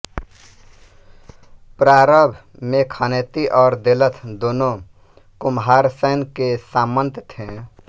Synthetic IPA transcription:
pɾaːɾəbʱ | mẽkʰənet̪iʔɔːɾd̪elət̪ʰd̪oːnõ | kʊmɦaːɾsəːnkesaːmə̃nt̪t̪ʰẽ

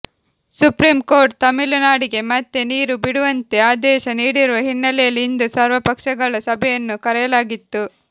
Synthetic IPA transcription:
supɾiːmko̞ːɾʈ̚t̪ɐmilunaːɽiɡe̞mɐt̪ːe̞niːɾubiɽuʋɐnt̪e̞aːd̪ɛːʃɐniːɽiɾuʋɐɦinːɐlɛjɐlːiːnd̪usaːɾʋɐpɐkʂɐɡɐɭɐsɐbʱɛjɐnːukɐɾɛjɐlaːɡit̪ːu

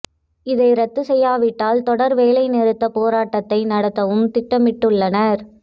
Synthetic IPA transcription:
ɪðɐɪɾɐt̪ːɯsɛjːaːʋɪʈːaːlt̪ɔɽɐɾʋeːlɐɪnɛɾɯt̪ːɐpoːɾaːʈːɐt̪ːɐɪnɐɽɐt̪ːɐʋɯmt̪ɪʈːɐmɪʈːɯɭːɐnɐɾ

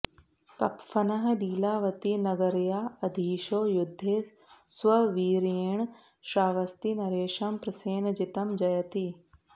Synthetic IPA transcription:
kɐpfɐnɐɦ̆ɖiːlaːʋɐt̪inɐɡɐɾjaːɐd̪ʱiːʃoːjʊd̪ʱːeː | swɐʋiːɾeːɳ̃ | ʃɾaːʋɐst̪inɐɾeːʃɐmpɾɐseːnd͡ʒɪt̪ɐmd͡ʒɐjɐt̪iː

